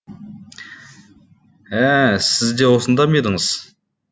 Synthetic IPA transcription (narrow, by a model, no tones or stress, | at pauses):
æsɪzd̪ewosənd̪ɑmed̪əŋəz̥